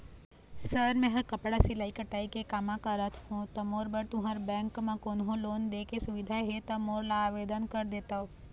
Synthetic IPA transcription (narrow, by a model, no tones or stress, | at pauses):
səɾmɛ̃ːɦɐɾkɐpɽasilaːikəʈaːikekaːmãkəɾət̪ʰhũt̪ɐmoːɾbəɾt̪ʊɦəɾbɛ̃ːŋkmãkoːnɦõloːnd̪eːkesʊʋɪd̪ʱaɦet̪ɐmoːɾlaːʋeːd̪ənkəɾd̪eːt̪ao